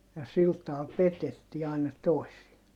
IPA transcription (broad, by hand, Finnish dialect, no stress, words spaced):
jɑ sil tɑːl petetːiː ɑˑinɑ toˑisiɑ